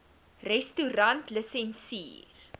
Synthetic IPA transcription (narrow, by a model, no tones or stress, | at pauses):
rɛstuɾɐntləsɛnsḭːr